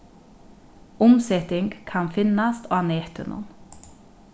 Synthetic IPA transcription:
ʊmsɛt̪ɪŋɡkʰɑnfɪnɑst̪ʰɑːneːt̪ʉ̰nʔɔ̰n

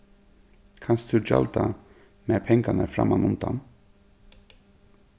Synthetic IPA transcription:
kʰanst̪ʰʉd͡ʒa̰lt̪a | meːɾpʰɛŋkanəɾfɾa̰manʊmd̪an

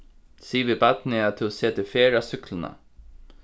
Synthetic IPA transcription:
siːʋibat̪nɪat̪ʰʊseːt̪ɪfeːɾasʏklɪna̰

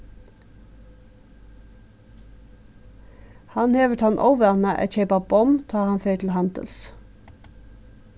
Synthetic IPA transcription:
hɑnheːʋəʈʰɑnʔɔ̰ʋəɑnəʔɛ̰t̪çeɪpɑbɔmt̪ʰɑːhɑnfeɪʈ̪ʰl̩hænd̪ə̰ls

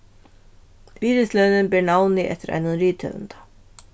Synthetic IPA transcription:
biːɾɪslœːnɪnbɛɾɳawnɪʔɛ̰ht̪ɪɾʔa̰jnəɾiːt̪ʰœ̰və̰nt̪ḁ

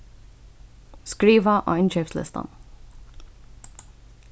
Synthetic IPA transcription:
skɾiːvaʔɔ̰ːɪnʃɛːfslɪ̰st̪a̰n

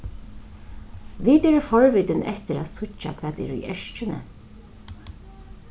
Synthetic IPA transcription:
ʋiːt̪ɛɾɪfɔɹviːt̪ɪnʔɛht̪ɪɾa̰ːt̪sʊt͡ʃːa̰kʰv̥ɛːt̪ɪ̰ɾṵjɛʂt͡ʃɪnə̰

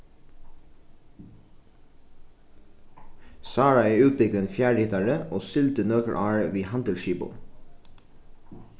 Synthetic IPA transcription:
sɑːɹɑeːʉːt̪̚bɪɡnfjæːɖɪt̪ɑɹəʔoːsʏlt̪ənøːkə̰ɹʔɑːɹəʋiːhɑnd̪əlʃiːbʊ̰

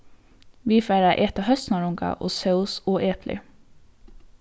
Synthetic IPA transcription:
ʋiːfæɪɾɑʔɛːt̪ɑhœsnɑɹʊŋkɑ̰ʔo̰ːsœʉsoːʔeːpʰlɪ̰

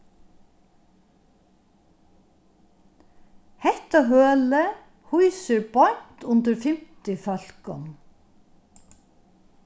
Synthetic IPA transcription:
hɛht̪aɦøːlə | hujsəɾbɔɲ̥t̪ʊnt̪əɾfɪm̥t̪ɪfœl̥kɔ̰m

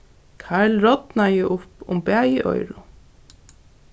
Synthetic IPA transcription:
kʰaɹlɾɔt̪najɪʔʊpʊmbɛːjɪʔɔ̰jɾʊ

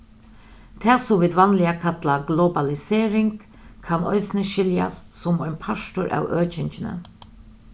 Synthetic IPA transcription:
t̪ʰɛːsʊmʋɪːd̪ʋanlɪakʰat̪laɡlɔbalɪseːɾɪŋk | kʰanɔ̰ʏsnəʃɪlja̰sːʊmɔnpʰaʂtʊɾʔa̰ːwʔøːt͡ʃɪnt͡ʃɪnə̰

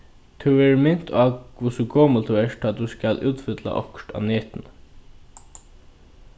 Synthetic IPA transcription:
t̪ʰuɛːɹmɪn̥t̪ʰaːkvʊsukoːməlt̪ʰuɛːʂt̪ʰaːt̪uskalʔuːt̪fɪt̪la̰ʔɔkɹt̪a̰ːneːt̪ɪnə

